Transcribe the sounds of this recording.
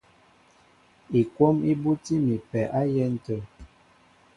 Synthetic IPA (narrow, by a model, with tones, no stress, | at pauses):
i˨kwo˦mi˦bu˦ti˦mi˨pɛ˨ʔa˦jɛ˦n̩˦tə˨